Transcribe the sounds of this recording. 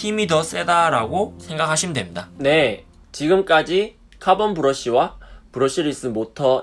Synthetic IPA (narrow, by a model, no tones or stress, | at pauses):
tʰimidʌs͈e̞daɾaɡosʰe̞ŋɡakʰaɕʰimdwe̞mɲidane̞ | t͡ɕiɡɯmk͈ad͡ʑi | kʰabʌnbuɾʌɕ͈iwapuɾʌɕ͈ʰiɾɯis͈ɯmotʰʌ